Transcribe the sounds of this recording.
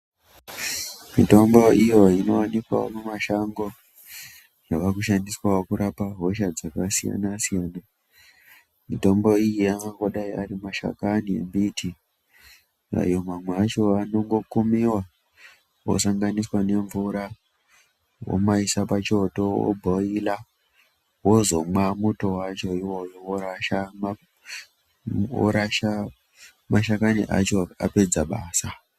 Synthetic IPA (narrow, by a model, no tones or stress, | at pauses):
mito̞mbo̞ijoino̞wanikwa̰o̰mumaʃaŋɡo̞ | jaʋakuʃandiswaokuɾʔapaɦo̞ʃad͡zakasija̰nasijaːna | mito̞mbo̞ijiaŋakaɗaiaɾimaʃa̰kaniḛmbitʰi | a̰jomamweat͡ʃo̞ano̞ŋɡo̞kumiwa | wo̰saŋɡaniswane̞ɱvuɾa | wo̰maisapat͡ʃo̞to̞o̰bʱoila | wo̞zo̞mamuto̞wat͡ʃo̞iwo̞jowoɾaʃama | o̰ɾaʃa | maʃakanḭʔa̰t͡ʃoa̰pe̞d͡zaɓaːsa